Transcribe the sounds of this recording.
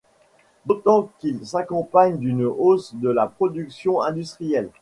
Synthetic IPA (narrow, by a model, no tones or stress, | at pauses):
d̪ot̪ɑ̃kilsakɔ̃paɲd̪ynosd̪əlapχɔd̪yksjɔ̃ɛ̃d̪yst̪χijɛl